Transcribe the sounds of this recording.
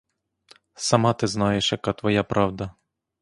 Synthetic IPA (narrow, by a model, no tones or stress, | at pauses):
sɐmɑt̪ɪznɑjeʃjɐkɑt̪ʋɔjapɾʔɑwd̪ɐ